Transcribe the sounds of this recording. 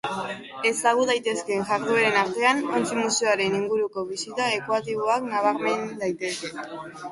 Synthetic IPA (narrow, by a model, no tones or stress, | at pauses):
e̞zaɣuðajt̪e̞ske̞ŋʝaɾðueɾe̞naɾt̪e̞anont͡simuseoaɾe̞niŋɡuɾuko̞βisit̪ae̞kuat̪iβ̞o̞aknaβ̞aɾme̞nd̪ajt̪e̞ske̞